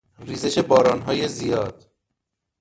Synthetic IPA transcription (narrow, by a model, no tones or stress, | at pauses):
riːzeʃebɒːɾɒːnɦɒːjezijɒːd̪̥